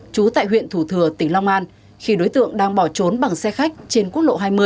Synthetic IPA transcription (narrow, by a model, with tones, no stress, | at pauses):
t͡ɕu˨˦t̪a̰ː˧˨jɦwḭ˧˨ənt̪ʰu˧˩t̪ʰɨ˧˩ət̪ï˧˩ŋ̟la˧wŋ͡mʔaː˧n | xi˧ɗo˨˦jt̪ɨ̰˧˨əŋɗaː˧ŋɓɔ˧˩t͡ɕo˨˦nɓa˨˩ŋsɛ˧xa˦˥k̟̚t͡ɕe˧nku˦˥ət̚ɗo̰˧˨ɦaː˧jmɨ˧əj